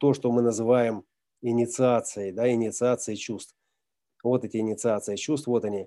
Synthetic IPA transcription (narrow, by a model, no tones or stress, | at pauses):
t̪o̞ʂt̪o̞mɨnəzɨvajɪm | ɪnʲɪt̪sɨat̪sɨjɪd̪aɪnʲɪt̪sɨat̪sɨɪt͡ɕust̪f | vo̞t̪ɛtʲɪɪnʲɪt̪sɨat̪sɨɪt͡ɕust̪vvo̞t̪ɐnʲi